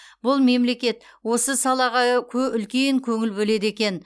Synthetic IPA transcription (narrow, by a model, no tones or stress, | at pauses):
bʊlˠme̞mle̞kʲe̞t̪ | wo̞səsɑlˠɑʁɑkʲʰɵʏlkʲe̞ŋkʲʰɵŋɪlbɵle̞d̪e̞kʲe̞n